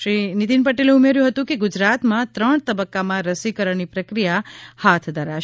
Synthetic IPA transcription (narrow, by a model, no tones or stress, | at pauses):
ʃɾinit̪inpəʈeleumeɾjũɦət̪ũkeɡʊd͡ʒɾat̪mãt̪ɾəɳ̃t̪əbəkːamãɾəsikəɾəɳnipɾəkɾijahat̪ʰd̪ʱəɾaʃ